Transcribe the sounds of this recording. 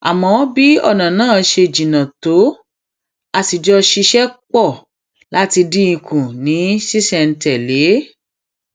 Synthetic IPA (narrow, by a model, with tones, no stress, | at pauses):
a˨mɔ̃˨˦ɔ˦bi˦ɔ̰˦˨nã˨nãː˦˨˦ʃe˧˨d͡ʒĩ˨nã˨to˨˦ | a˧si˨d͡ʒɔ˧ʃi˧ʃɛ˦k͡pɔ˦˨ | la˦ti˧dĩ˦ĩ˧˨kʰũ˨nĩ˨˦ʃi˦sɛ˦˨n̩˨tɛ˨le˨˦